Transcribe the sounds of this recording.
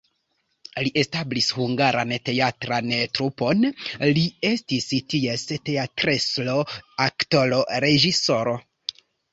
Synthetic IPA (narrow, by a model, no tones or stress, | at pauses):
liʔe̞stablishuŋɡaɾa̰nte̞atɾantɾupo̞nlie̞stistie̞ste̞atɾeslo̞akto̞lo̞ɾe̞ʒiso̞ɾo